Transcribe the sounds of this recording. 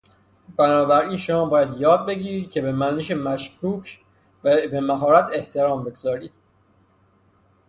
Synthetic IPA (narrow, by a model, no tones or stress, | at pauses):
b̥ænɒːbæɾiːnʃomɒːbɒːjæd̪jɒːd̪̚be̞ɟiːɾiːd̪̥̚cʰe̞be̞mæniʃemæʃkʰuːcʰ | væbe̞mæɦɒːɾæt̪ʰe̞ht̪ʰe̞ɾɒːmbe̞ɡozɒːɾiːd̪̥̚